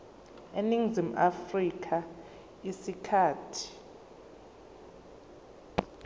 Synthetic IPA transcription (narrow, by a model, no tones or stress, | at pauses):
eniŋzimʔafrikʰa | isikʰaːtʰi̥